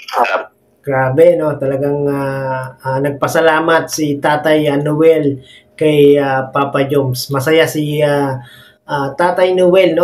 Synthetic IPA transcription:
ɡ̥ɾaːbɛno̞t̪ɐlɐɡaŋaanɐɡ̚pɐsɐlaːmɐt̪̚sɪt̪aːt̪ɐjɐnʊwɛl | kɐjapapɐd͡ʒomsmɐsɐjasɪa | ʔat̪aːt̪ɐjnʊwɛlno

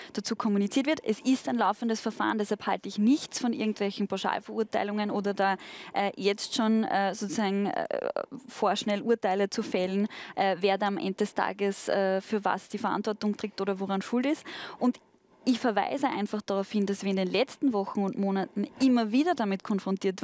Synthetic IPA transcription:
d̥at͡suːkʰɔmunit͡siːɐtv̥ɪɐtɛsɪstæɪnlaʊfəndəsfɛɐfa̰ːʁəndɛshalpha̰ltəɪçnɪçt͡sfɔnʔɪ̰ɐɡŋ̩tvɛlçn̩pʰaɑʊʃa̰ːlfɛɐuɐtaɪlʊŋənoːdɐdaːʔɛːjɛt͡stʃoːnɛːsoːt͡susaːɡŋ̩ɛ̰foːɐʃnɛlʔuɐtaɪlət͡sufɛlnʔɛːveːɐdaamʔɛ̰̃ndədɛstʰa̰ːɡəsɛːfyːɐva̰sd̥iːfɐʔa̰ntvɔɐtʊŋtʁ̥eːk̚toːɾɐvoʁanʃuːlɪstʔʊnd | ɪçfɛɐva̰ɪzəʔæ̰ɪnfaχd̥aʁaʊfhɪnd̥asv̥iːɐɪndeːnlɛt͡stn̩vɔxn̩ʊntmoːnatn̩ʔɪmːɐviːdɐdamɪtkʰɔnfʁ̥ɔntiːɐtv

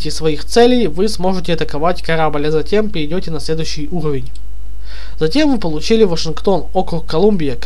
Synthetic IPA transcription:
tʲɪsvɐixt̪sɛlʲejvɨsmo̞ʐɨtʲɪɐt̪əkɐvatʲkɐɾabəlʲɐzɐtʲe̞mpʲɪɾʲɪdʲotʲɪnɐsʲlʲe̞d̪ʊjɕːɪjuɾəvʲɪnʲ | zɐtʲe̞mvɨpəlˠʊt͡ɕilʲɪvəʂɨnkt̪o̞no̞kɾʊkːɐlˠumʲbʲɪjək

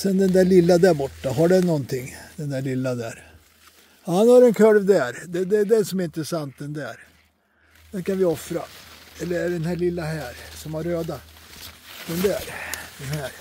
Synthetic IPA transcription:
sɛnd̪ɛnd̪æːɭɪlːad̪æɾbɔʈːaɦaɖɛnɔnt̪ʰɪŋːd̪ɛnd̪æːɭɪlːad̪æ̰ɾ | hhanhaɾɛnkʰœlvd̪æɾd̪ɛd̪ɛd̪ɛnsɔmæɾɪnt̪ɾəsant̪̚d̪ɛnd̪æːɾ | d̪̥ɛnkanvɪɔfɾa | ɛlːəɾæɖɛnhæːɭɪlːaɦæːɾsɔmæɾːøːd̪a | d̪ɛnd̪æɾd̪ɛnhæːɾ

